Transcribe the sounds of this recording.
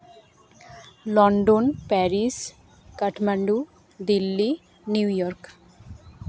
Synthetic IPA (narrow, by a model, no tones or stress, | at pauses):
lɔːɳɖonpɛːɾis | kɐʈʰmɐɳɖu | d̪ilːi | njuːjɔɾk